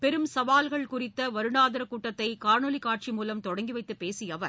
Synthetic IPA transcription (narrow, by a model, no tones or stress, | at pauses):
pɛɾɯmsɐʋaːlɣɐɭkʊrɪt̪ːɐʋɐɾɯɳaːðɐɾɐkːuːʈːɐt̪ːɐɪkaːɾɳɔlikːaːʈ̚t͡ʃimuːlɐmt̪ɔɽɐŋɡiʋɐɪt̪ːɯpːeːsɪjɐʋɐ